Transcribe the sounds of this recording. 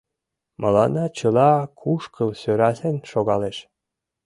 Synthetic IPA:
mʔɤlɑnɑt͡ɕəlɑkʰuʃkəlsøɾɑsenʃoɣɑleʃ

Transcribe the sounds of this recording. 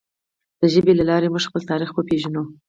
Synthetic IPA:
d̪̥əʒəbelalɑɾemuʒxpəlt̪ɑɾixbəpeʒano

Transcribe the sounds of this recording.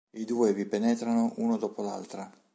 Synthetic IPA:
id̪uːevipenɛt̪ɾanoʔunod̪ɔːpola̰lt̪ɾa

